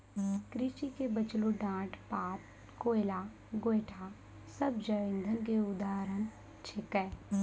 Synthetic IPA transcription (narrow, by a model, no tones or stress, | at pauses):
kɾit͡ʃikebət͡ʃluɖãːʈpaːp̚ | koːɪlaː | ɡojʈʰa | səbd͡ʒəʋɪ̃nd̪ʱənkeʊd̪aːɾən | t͡ʃʰɪkɛ